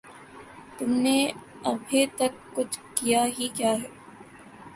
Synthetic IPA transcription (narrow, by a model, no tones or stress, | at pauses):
t̪ʊmne | ɐbʱet̪ɐkːʊt͡ʃʰkijaɦikjaːɦɛː